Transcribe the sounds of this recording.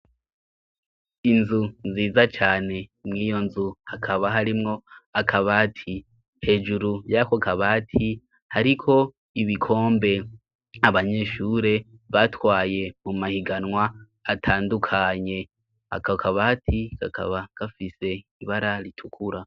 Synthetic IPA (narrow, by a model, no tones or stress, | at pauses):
inzunziːzat͡ʃaːne̞mŋiːjo̞nzuhakʰaβaɦaɾimŋo̞akʰaβaːtʰi | he̞ːd͡ʒuɾujakokaβaːtʰi | haɾikʰo̞ | iβikʰo̞ːmbe̞ | aβaɲe̞ːʃuːɾe̞βatwaːje̞mumahiɡanŋwaː | tʰaːndukʰaɲe̞ | ha̰kakʰaβatʰikakʰa̰βaɡ̥afise̞iβaɾaɾitʰukʰuɾa